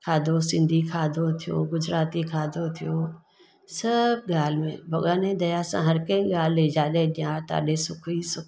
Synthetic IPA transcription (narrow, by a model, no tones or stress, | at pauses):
kʰaːd̪ʱosɪ̃nd̪ʱikʰaːd̪ʱot̪ʰijo̰ɡʊd͡ʒɾaːt̪ikʰaːd̪ʱot̪ʰijo | sɐbɠaːl̤mḛ̃bʱɐɠaːnẽd̪ɐjasã̰ɦɐɾkɐ̃ĩɡaːl̤led͡ʒaːɗẽɗĩjaːɾt̪a̰ːɗẽsʊkʰisʊk